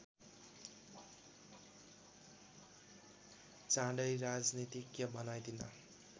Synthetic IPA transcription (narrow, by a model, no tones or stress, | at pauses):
t͡sãɽʌjɾad͡znit̪ikjʌbʌnajd̪ʱinʌ̰